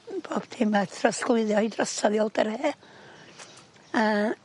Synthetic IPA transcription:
b̥oːb̥dʰɪmatʰrasklˠɨðjɔidrəsɔðjɔlˠdəɾɛː | a

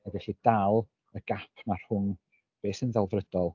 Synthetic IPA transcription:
adɛɬid̥alˠ | əɡ̥apʰmar̥hʊn | b̥eːsənðɛlˠvrəd̥ɔlˠ

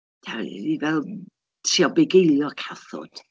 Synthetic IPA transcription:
tʰa̰divɛlˠ | tʰriɔbɛɡejlˠjɔkʰaθɔ̰d̥

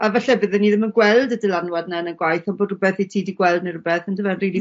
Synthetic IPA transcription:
avɛɬɛbəðɛnːiðɪmənɡwɛlˠdədəlˠanwad̚nɛənənɡwajθɔnboːdrʊbɛθejtʰiːdiɡwɛlˠdnərʊbɛθəndəvɛnriːlˠi

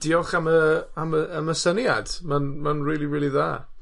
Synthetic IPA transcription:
d̥ɪɔχaməaməːməsənja̰d̥manmanriːlˠiɹiːlˠiðaː

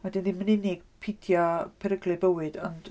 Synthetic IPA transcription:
wɛdɪnðinmənineːɡ̥pʰɪdʰjapʰɛɾəɡlɪbəwɨdɔnd̥

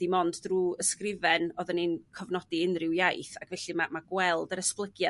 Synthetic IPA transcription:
d̥imɔnddruəskrɪvɛnɔðəninkʰɔvnɔdiɪnrɪwjajθakvɛɬɨmamaɡwɛlˠdəɾəsplˠəɡja

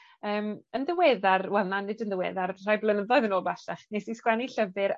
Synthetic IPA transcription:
əːmənðəweːðarwɛlˠnanɨdənðəwḛːðarr̥ajblˠənəðɔɨðənoːlˠbaɬaχnesiskwaniɬəvɨɾ

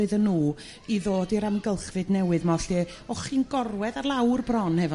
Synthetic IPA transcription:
ɨðənːuː | iðoːdiɾamɡəlˠχvɨdnɛwɨðmɔɬd̥i | ɔχiːnɡɔrwɛðarlˠawrbrɔnhɛvɔ

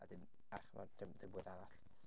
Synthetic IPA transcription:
a̰dɪn | aχma̰dəmdəmbʊːdaɾaɬ

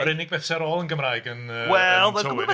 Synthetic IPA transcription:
ɔɾɪnɪɡ̚bɛθsɛɾɔːlˠənɡəmraːjɡənəwɛlˠoɪɛ

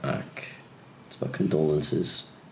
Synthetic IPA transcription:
ʔa̰k | ɪtsəbaʊkʰə̃ndɔlˠə̃nsɪ̰z̥

